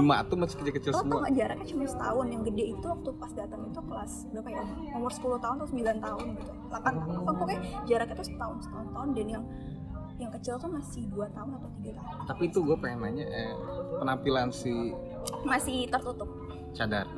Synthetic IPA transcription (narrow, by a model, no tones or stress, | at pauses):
umat̪umasɪ̥kəd͡ʒakət͡ʃɪlalaaŋaʔd͡ʒaɾakjat͡ʃumansə̥t̪aʊnjaŋɡədɛit̪uwak̚t̪upasdat̪əŋit̪ukəlas | dakajaʔomʊ | omʊrsə̥pulʊht̪aʊnt̪awsəmbilant̪aɦʊnɡit̪u | lapant̪aʊsaŋpukajd͡ʒaɾakjat̪usət̪aʊnsə̥t̪aʊnt̪aʊndanjaŋ | jaŋkət͡ʃɪlt̪umasɪhduat̪aʊnat̪awt̪iɡat̪aɦʊnt̪apit̪uɡuapamaɲaʔəpənampilansi | masɪht̪ərt̪ut̪ʊp̚ | t͡ʃadar